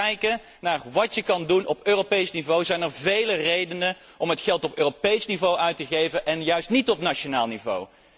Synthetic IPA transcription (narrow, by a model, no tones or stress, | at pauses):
ɛjkə | naːɹʋɑtjəkɑndunʔɔpøːropejsnivowzɛjnəɹvejlərejdənə | ʔɔmɦətχɛlˠtɔpøːropejsnivowʔœɥtəχejvəʔɛnjœɥstnitɔpnat͡ʃonaːlˠnivo̰w